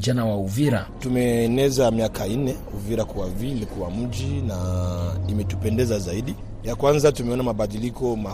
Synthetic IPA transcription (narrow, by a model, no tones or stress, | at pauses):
d͡ʒanawauviɾatumɛːnɛzamiakʰan̩nɛ | uviɾakuwavilikuwam̩d͡ʒinaimɛtupɛndɛzazaiɗi | jakwanzatumɛɔnamaɓaɗilikɔma